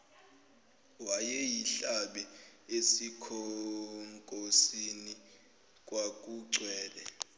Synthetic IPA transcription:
wajɛjiɬaɓɛesikʰɔŋkʼosini | kʼwak̬ʼuǀʱwɛːlɛ

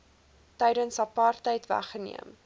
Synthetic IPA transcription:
tɛjɾənsɐpɑrtəjtvæ̰χənḭəm

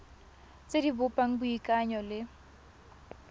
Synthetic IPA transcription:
t͡sʼedibʊpʼaŋ̩buikʼaɲɔlɪ

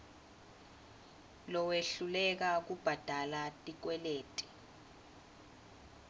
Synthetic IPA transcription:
lɔweɬulɛk̬ak̬ub̥ʱad̥ʱalatʼik̬wɛleːtʼi̥

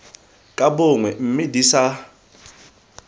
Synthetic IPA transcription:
kʼabʊŋwɛm̩mɪdisa

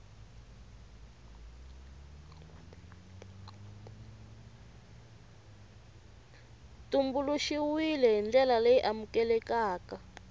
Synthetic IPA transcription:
tumbuluʃiwilɛɦind͡ɮɛlalejʔamukɛlɛkaːka

